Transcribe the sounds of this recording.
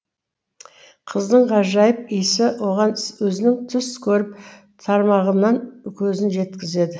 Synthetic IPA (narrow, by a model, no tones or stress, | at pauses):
qʰəzd̪əɴqʰɑʒɑjəpijsɪwo̞ʁɑnwɵzɪnɪŋt̪ʰʏskʲʰɵɾɪp̚ | t̪ʰɑɾmɑʁənːɑnkʲʰɵzɪnʒe̞t̪kʲɪze̞d̪ɪ